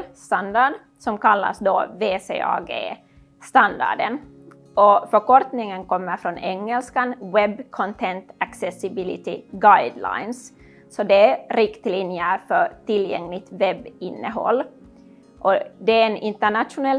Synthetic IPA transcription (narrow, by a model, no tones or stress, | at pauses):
st̪and̪aɖ | sɔmkalːa̰sd̪ɔ̰veːsḛːɑ̰ːɡḛː | st̪and̪a̰ɖən | ʔɔfœkɔɾt̪nɪŋənkʰɔmːəɾfɾɔnɛŋːɛlskanwɛbːkʰɔnt̪ʰɛnt̪aksɛsɪbɪlɪ̰t̪ɪɡajd̪la̰ɪns | sɔd̪ɛæɾɪkt̪linjəfœʈɪljɛ̰ŋlɪɡ̚t̪vɛbːɪnːəɦɔ̰lː | ʔɔd̪ɛenɪnt̪æɳat̪ʂʊnɛl